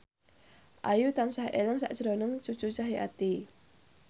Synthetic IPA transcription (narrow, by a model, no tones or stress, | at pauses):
ʔajut̪ansaɦeləŋsa̰ʔʒ̥ɾonəŋt͡ʃut͡ʃut͡ʃaɦia̰t̪i